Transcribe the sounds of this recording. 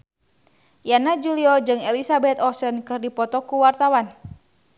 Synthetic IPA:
janad͡ʒuliɔd͡ʒɨŋɛlisabɛt̪ɔsənkɨrdipɔt̪ɔkuwart̪awan

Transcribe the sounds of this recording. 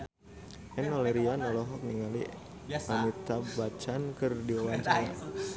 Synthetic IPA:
ʔɛnɔlɛɾianɔlɔɦɔk̚niŋalḭ | amit̪abat͡ʃankɨrdiɔwant͡ʃa

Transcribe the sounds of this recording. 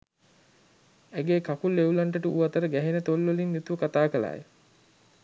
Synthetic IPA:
æɡeːkakulːeulaɳʈəʈəuʋat̪əɾəɡæɦenət̪olːʋolinnut̪uʋəkat̪aːkəla̰ːj

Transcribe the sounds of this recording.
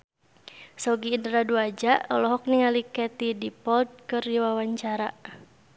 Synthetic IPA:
sɔɡiːndɾaduad͡ʒaʔɔlɔɦɔk̚niŋalikɛt̪idipɔld̪̚kɨrdiwawaɲt͡ʃaɾa

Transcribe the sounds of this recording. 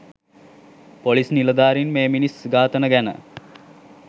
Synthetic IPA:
polisniləd̪aːɾinmeːminisɡaːt̪ənəɡænə̰

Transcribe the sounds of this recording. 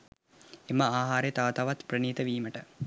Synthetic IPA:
emɐaːɦaːɾejt̪aːt̪aʋat̪prəniːt̪əʋiːməʈə

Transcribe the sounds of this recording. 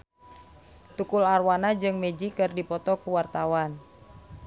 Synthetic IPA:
t̪ukʊlarwanad͡ʒɨŋmed͡ʒikɨrdipɔt̪ɔkuwart̪awan

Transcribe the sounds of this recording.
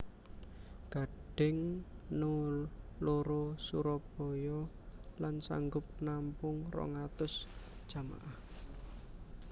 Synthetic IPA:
ɡ̥a̤ɖ̥ɪŋnoloɾosuɾɔb̥ɔ̤jɔ | lansa̰ŋɡʊp̚nampʊŋrɔ̰ŋat̪ʊsd̥ʒ̥a̤ma̰ʔah

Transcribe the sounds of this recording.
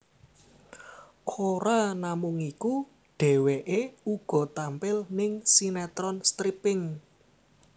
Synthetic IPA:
kʰoɾanamʊŋiku | ɖ̥ɛ̤weʔeuɡ̥ɔ̤t̪ampɪlnɪŋsinɛt̪ɾɔnst̪ɾipɪŋ

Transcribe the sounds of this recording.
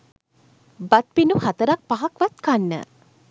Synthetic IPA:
bat̪̚pinuhat̪əɾak̚paɦakʋat̪kanːə̰

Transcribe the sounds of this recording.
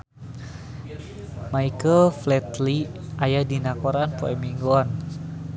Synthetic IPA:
maikəlflɛt̪liajahdinakɔɾanpoɛmiŋɡoɔn

